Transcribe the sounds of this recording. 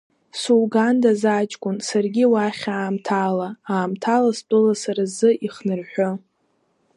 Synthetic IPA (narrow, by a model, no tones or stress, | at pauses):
suwɡandazat͡ʃʼkʷʼʊnsarɡʲiwaχʲaːmtʰalaaːmtʰalast͡pʷʼɨlasaɾazɨʔiχnɨrħʷᶣo